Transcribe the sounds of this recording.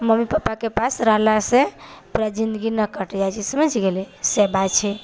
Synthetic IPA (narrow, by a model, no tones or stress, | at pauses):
məmipapakepasɾəɦlasẽpuɾad͡ʒind̪əɡinəkəʈd͡ʒajt͡ʃʰisəməd͡ʒɡelisebat͡ʃʰɛ